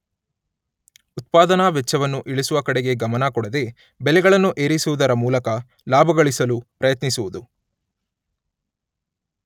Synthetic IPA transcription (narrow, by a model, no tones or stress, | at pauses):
ut̪̚paːd̪ɐnaʋɛt͡ʃːɐʋɐnːuʔiɭisuʋɐkɐɽeɡe̞ɡɐmɐnɐkɔɽɐd̪e̞ | bɛlɛɡɐɭɐnːuʔeːɾisuʋud̪ɐɾɐmuːlɐkɐ | laːbʱɐɡɐɭisɐlupɾɐjɐt̪nisuʋud̪u